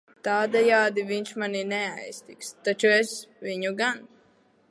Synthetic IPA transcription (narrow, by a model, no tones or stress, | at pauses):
t̪aːd̪ɛjaːd̪iviɲʲʃmaninɛajst̪ikst̪at͡ʃuɛsviɲuɡan